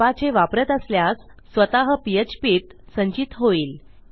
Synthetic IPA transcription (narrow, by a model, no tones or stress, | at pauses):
at͡seʋapɾət̪əsljasː | ʋət̪aɦəpijət͡ɕpiːt̪ | səɲt͡ɕit̪ɦoiːl